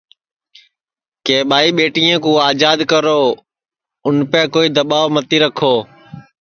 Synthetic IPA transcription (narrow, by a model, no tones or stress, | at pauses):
keːɓaːiːɓeːʈiːãːkũːaːd͡ʒaːd̪kəɾoː | ʊnpɛ̃ːkoːiːd̪əɓaːʋmət̪iːɾəkʰoː